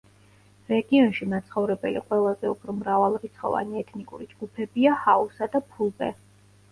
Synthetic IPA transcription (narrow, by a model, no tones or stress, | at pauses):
ɾɛɡiɔnʃimat̪sʰχɔvɾɛbɛlḭqʼwɛlˠazɛupʰɾɔmɾavalˠɾit̪sχɔ̰va̰niɛt̪ʰnikʼṵɾid͡ʒɡ̥upʰɛbiahausad̪apʰulˠbɛ̰